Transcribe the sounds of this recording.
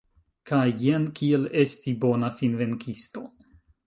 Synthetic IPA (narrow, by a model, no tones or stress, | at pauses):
kʰajenkiele̞stibo̞nafinve̞nkʰisto̞